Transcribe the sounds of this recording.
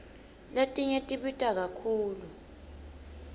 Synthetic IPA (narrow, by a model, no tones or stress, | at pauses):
letʼiɲetʼiɓitʼak̬akʰuːlu